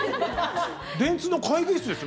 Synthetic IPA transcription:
d̪ẽ̞nt͡sɨnokʰaiɡesɨd̪e̞sɨ

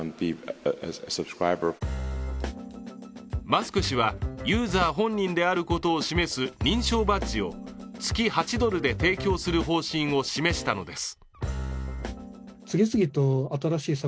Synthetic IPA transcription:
bi | səb̥skɹaɪbə˞ | masɨ̥kɯ̟ɕiβajɯːzaːɦõ̞ɲ̟ːĩnd̪e̞aɾɯ̟ko̞t̪o̞ːɕime̞sɨɲ̟ĩɰ̃ɕo̞ːbat͡ɕio̞t͡sɨ̥kʲihat͡ɕid̪o̞ɾɯ̟d̪e̞t̪e̞ːkʲo̞ːsɨɾɯ̟ɦo̞ːɕĩɰ̃o̞ɕime̞ɕi̥t̪ano̞d̪e̞sɨ̥ | t͡sɨɡʲisɨɡʲit̪oat̪aɾaɕiːsa

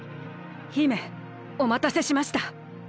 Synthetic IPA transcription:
çime̞ | o̞mat̪ase̞ɕimaɕi̥t̪a

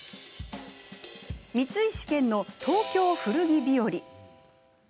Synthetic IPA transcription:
mʲit͡sɨiɕi̥kẽ̞nːo̞t̪ʰo̞ːkʲo̞ːɸɯ̟ɾɯ̟ɡʲibʲio̞ɾʲi

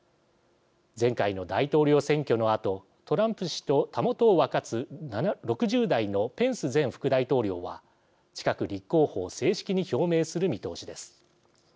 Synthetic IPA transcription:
d͡zẽ̞ŋkaino̞d̪ait̪o̞ːɾʲo̞ːsẽ̞ŋkʲo̞no̞at̪o̞ | t̪o̞ɾãmpɯ̟ɕi̥t̪o̞t̪amo̞t̪o̞ːβakat͡sɨnaɾo̞kɯ̟ʑɨːd̪aino̞pẽ̞ɰ̃sɨzẽ̞ɰ̃ɸɯ̥kɯ̟d̪ait̪o̞ːɾʲo̞ːβa̰ | t͡ɕi̥kakɯ̟ɾʲikːo̞ːho̞ːse̞ːɕi̥kʲiɲ̟iço̞ːme̞ːsɨɾɯ̟mʲit̪o̞̰ːɕid̪e̞sɨ̥

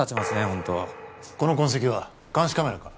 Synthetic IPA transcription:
at͡ɕimasɨnehõnt̪oko̞no̞kõɰ̃s̬e̞kʲiβa | kãɰ̃ɕi̥kame̞ɾaka

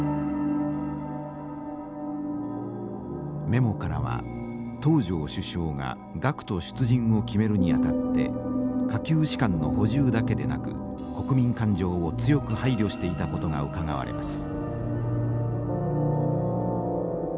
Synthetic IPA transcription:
me̞mo̞kaɾa̰βa̰ | t̪o̞ːʑo̞ːɕɨɕo̞ːɡa̰ | ɡakɯ̥t̪o̞ɕɨ̥t͡sɨʑĩɰ̃o̞kʲime̞ɾɯ̟ɲ̟iat̪at̪ːe̞̰kakʲɨːɕi̥kãnːo̞̰ho̞ʑɨːd̪ake̞d̪e̞̰na̰kɯ̟̰ | ko̞kɯ̟mʲĩŋkãɲd͡ʑo̞ːot͡sɨjo̞kɯ̟haiɾʲjo̞ɕi̥t̪e̞it̪ako̞t̪o̞ɡa̰ɯ̟kaɡa̰βa̰ɾe̞̰masɨ̥

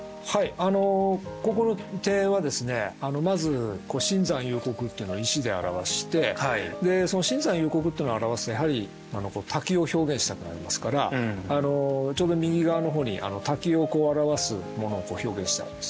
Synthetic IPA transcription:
haiano̞ko̞ko̞not̪e̞ːβad̪e̞sɨne̞ano̞mazɨko̞ːɕĩnzãɰ̃jɯ̟ːko̞kɯ̟t̪ːeiɯ̟no̞iɕid̪e̞a̰ɾa̰βaɕi̥t̪e̞haid̪e̞so̞no̞ɕĩnd͡zãɰ̃jɯ̟ːko̞kɯt̪ːeinaɾaβasɨ̥t̪ojaɦaɾʲi | ano̞ko̞ːt̪ʰakʲio̞ço̞ːɡẽ̞ɰ̃ɕi̥t̪akɯ̟na̰ɾʲḭmasɨ̥kaɾa̰ano̞t͡ɕo̞ːd̪o̞mʲiɡʲiɡaano̞ɦo̞ːɲ̟ḭʔa̰no̞t̪akʲio̞ko̞ːaɾaβasɨ̰mo̞no̞ːko̞ːço̞ːɡẽ̞ɕi̥t̪a̰ḭ̃ne̥sɨ̥

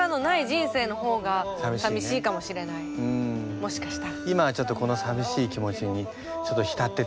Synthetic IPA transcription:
ano̞naiʑĩɰ̃se̞ːno̞ho̞ːɡasabʲiɕsabʲiɕiːkamo̞ɕiɾe̞naiɯ̃ːmo̞ɕi̥kḁɕi̥t̪aimaβat͡ɕo̞t̪ːo̞ko̞no̞sabʲiɕiːkʲimo̞t͡ɕiɲi | t͡ɕo̞t̪ːoçʲi̥t̪at̪ːe̞

